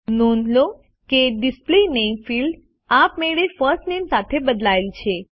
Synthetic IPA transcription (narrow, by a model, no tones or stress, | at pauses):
nonlo | keɖisplenemfilɖ | apmeɭefəɾsʈnemsat̪ʰebəd̪laelt͡ʃʰe